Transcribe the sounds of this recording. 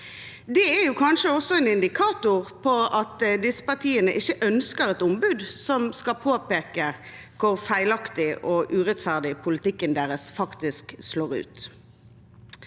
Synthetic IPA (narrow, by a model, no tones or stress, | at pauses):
d̪ɛɛjuːkʰɑnʃəɔsɔɛnɪnd̪ɪkʰɑːt̪ʊʁpʰɔɑt̪d̪ɪsə̥pɑʁt̪ʰiːənəʔɪçːəʔœnskəʁɛt̪ʊmbʉd̪sɔmskɑpʰoːpeːkə | kʰʊʁfæɪlɑkt̪ɪʔɔʔʉːʁɛt̪fæʁd̪ɪpʰʊlɪt̪ɪkːənd̪eːʁəsfɑkt̪ɪsksloːʁʉ̰ːt̪